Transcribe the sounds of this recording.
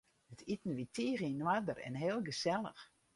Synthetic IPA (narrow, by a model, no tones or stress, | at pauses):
ətʰitn̩ʋitʰiːrinwadərɛ̰nɦeːlˠɡəsɛlˠə̰x